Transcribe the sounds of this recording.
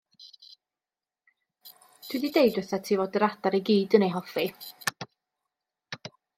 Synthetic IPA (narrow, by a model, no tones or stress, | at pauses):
tʰw̥ididejdəθatʰiːvoːdəɾadaɾeɡiːdənejɦɔfi